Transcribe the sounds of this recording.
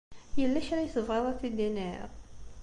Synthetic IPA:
jəlːæʃɾæjθəvʁæðˤæθid̪inɛɾ

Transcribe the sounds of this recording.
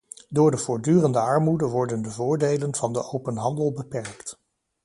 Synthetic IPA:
dʊːɹdəv̥ʊːɹdyːrəndəɑɹmudəʋɔɹdəndəvʊːɹdejlənv̥ɑndəʔowpənɦɑndəlˠbəpɛɹkt

